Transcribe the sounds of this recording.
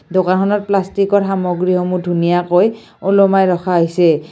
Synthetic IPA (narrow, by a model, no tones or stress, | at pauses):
dokankʰɔnɔt̚plastikɔɹɦamɔɡɹiɦɔmudʱunijakoj | olomajɹɔxʰaoɦisɛ